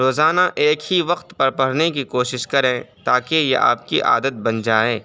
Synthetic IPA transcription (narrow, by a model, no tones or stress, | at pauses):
ɾoːzaːnaʔeːkhiʋɐqt̪pɐɾpɐɽ̤nek̬ikoːʃɪʃkɐɾẽt̪aːkejḛʔa̰ːp̚kiʔa̰ːd̪ət̪̚bɐnd͡ʒaːeː